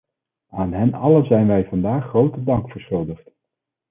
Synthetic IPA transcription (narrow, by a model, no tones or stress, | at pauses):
aːnɦɛnɑ̰ləzɛjnʋɛjvɑndaːχːrowtədɑŋkfəɹsχɵlˠdəχt